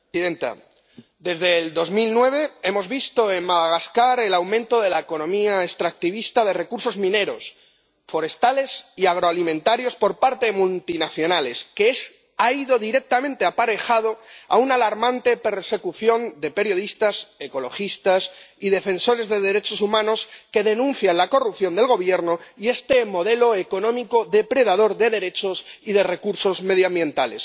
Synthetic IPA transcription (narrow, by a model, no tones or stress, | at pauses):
iðent̪a̰ | d̪e̞zðe̞ld̪o̞zmilnwe̞βe̞e̞mo̞zβist̪o̞e̞nmaðaɣ̞askaɾe̞lawmẽnt̪o̞ðe̞laeko̞nõ̞miaest̪ɾak̚t̪iβ̞ist̪að̞e̞re̞kuɾso̞zmĩne̞ɾo̞̰s | fo̞ɾe̞st̪ale̞siaɣ̞ɾoalimẽnt̪aɾjo̞spo̞ɾpaɾt̪eðemult̪inaθjo̞nale̞skees | aiðo̞ðiɾe̞k̚t̪amẽnt̪eapaɾe̞xað̞o̞a̰unalaɾmãnt̪e̞pe̞ɾse̞kuθjo̞nd̪e̞pe̞ɾjo̞ð̞ist̪ase̞ko̞lo̞xist̪asiðe̞fe̞nso̞ɾe̞zðe̞ðe̞ɾe̞t͡ʃo̞sumãno̞ske̞ðe̞nũn̟θjanlako̞rupθjo̞nd̪e̞lɣo̞β̞je̞ɾno̞ie̞st̪e̞mo̞ðe̞lo̞eko̞nõ̞miko̞ðe̞pɾe̞ðað̞o̞ɾðe̞ðe̞ɾe̞t͡ʃosiðe̞re̞kuɾso̞zme̞ðjoambjẽ̞nt̪ale̞s